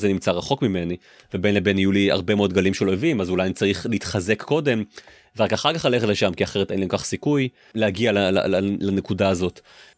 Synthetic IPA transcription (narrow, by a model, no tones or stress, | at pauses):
zenimt͡saʁaχo̞kmime̞ni | vebenlebenijulia̰ʁbe̞meo̞d̚ɡalimʃelo̞evimazulajanit͡saʁiχliit̪χaze̞kːo̞de̞m | veakaχaʁkaχlale̞χetleʃamkiaχe̞ʁetenlemkaχsikuj | leaɡialala̰lalane̞kudaːzo̞t